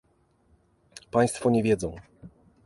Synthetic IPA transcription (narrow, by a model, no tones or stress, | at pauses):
paj̃st̪fɔɲɛvʲjɛd̪zɔ̃w̃